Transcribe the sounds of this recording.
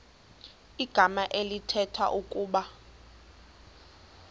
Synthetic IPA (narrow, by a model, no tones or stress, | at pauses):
iɡ̥ʱamaʔelitʰɛtʰwa̰ʔukʼuːɓa